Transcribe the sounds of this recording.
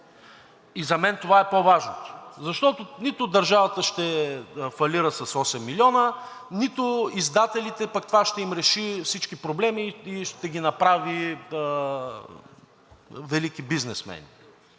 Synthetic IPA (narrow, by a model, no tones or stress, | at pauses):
izɐmɛnt̪ovaɛpovaʒnot̪o̥zɐʃt̪ɔt̪onit̪ʊd̪ɐɾʒavət̪əʃt̪ɛfɐliɾəsɐsɔsɛmːilʲiɔnə | nit̪ʊizd̪at̪ɛlit̪ɛpɐkt̪ovaʃt̪ɛimɾɛʃifsit͡ʃkipɾoblɛmiːʃt̪ɛɡʲinɐpɾavi | vɛlik̟ibiznɛsmɛ̰ni